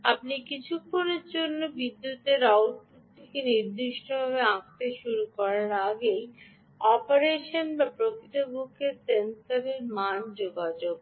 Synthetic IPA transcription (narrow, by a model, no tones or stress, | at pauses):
apnikit͡ɕʰukʰːoneɾd͡ʑonːobid̪ːut̪eɾawʈ̚poʈt̪ʰekeniɾd̪iʃʈobʱaβeãk̚t̪eʃuɾukɔɾaɾaɡej | ɔpoɾeʃonbapɾokʰit̪obʱukʰeɾsent̪aɾeɾmand͡ʑoɡad͡ʑoɡ